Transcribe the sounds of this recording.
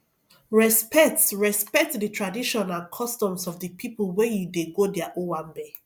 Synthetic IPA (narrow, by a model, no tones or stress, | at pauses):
ɹɛspɛk̚tɹɛspɛk̚tdətʰɹadiʃɔ̃nãnkʰɔstɔ̃msɔvdəpʰipəlˠwɛjudeɡodɛaʔowãnbe